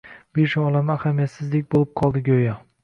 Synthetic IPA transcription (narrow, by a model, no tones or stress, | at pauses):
b̥eʃɒlˠamɪahamijat̪sɪzlɪk̚ʲbolɪp̚qʰɒlˠd̪ɪɡʲojɒ